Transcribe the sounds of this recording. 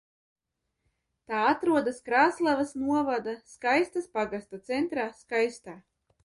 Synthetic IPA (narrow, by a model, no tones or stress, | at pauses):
t̪aːat̪ɾuɔd̪askɾaːslˠavasnuɔvad̪askajst̪aspaɡast̪at̪sɛnt̪ɾaːskajst̪aː